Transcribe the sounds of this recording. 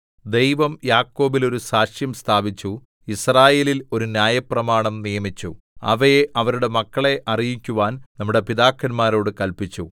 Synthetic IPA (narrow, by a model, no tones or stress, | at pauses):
d̪e̞jʋɐmjaːkːo̞ːbilo̞ɾusaːʂjɐmst̪ʰaːbit͡ɕːu | israːje̞ːlilo̞ɾunjaːjɐprɐmaːɳɐmnijɐmit͡ɕːu | ɐ̰ʋɐjeʔɐʋɐɾuɽe̞mɐkːɐɭe̞ʔɐrijikʲːuʋaːnnɐmːuɽe̞piðaːkːɐnmaːɾo̞ːɽɨkɐlpit͡ɕːu